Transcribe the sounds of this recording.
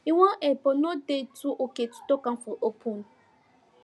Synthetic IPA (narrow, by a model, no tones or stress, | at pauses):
iwɔ̃ʔɛpɔnodetuʔoketu̥tɔkãnfɔʔopʰũn